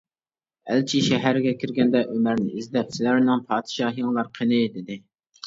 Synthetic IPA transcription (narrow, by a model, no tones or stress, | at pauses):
ælt͡ʃʰiʃɛɦæɾɪɡʲɛkʲʰɪɾɡʲɛnd̪ɛʔømæɾnɪ̰ʔizd̪ɛpsɪlæɾnɪŋpʰɑːd̪̥ɨʃɑːhjɑŋlˠɑɾqʰenɨd̪ɪd̪ɪ